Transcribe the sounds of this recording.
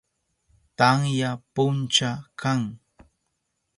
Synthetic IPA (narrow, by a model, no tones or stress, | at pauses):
t̪aŋjapʊnt͡ʃakʰaŋ